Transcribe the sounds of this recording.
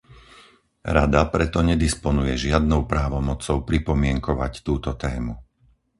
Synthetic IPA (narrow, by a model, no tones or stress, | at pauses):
ɾad̪apɾɛt̪ɔɲɛd̪ispɔnujɛʒɪad̪̚nɔʊpɾaːʋɔmɔt͡sɔʊpɾipɔmɪɛŋkɔʋa̰ct̪uːt̪ɔt̪ɛːmu